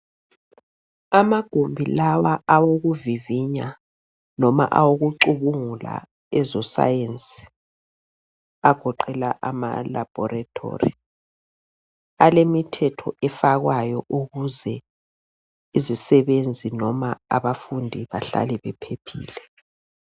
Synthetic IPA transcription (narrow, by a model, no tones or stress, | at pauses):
amaɡ̥ʱombʱilawaʔawoɣuviviɲa | nɔma̰ʔawoɣuǃuβuŋula̰ | ɛzɔsa̰jensʼi̥ | aɡ̥ʱɔǃɛlaʔama̰lab̥ʱɔɾatʰo̰rḭ | alemitʰɛtʰɔ̰ʔɛfaɣwajɔʔuɣuzɛ | izisɛβend͡zʱinɔmaaβafundʱiβaɬa̰lɛβɛpʰepʰḭːlɛ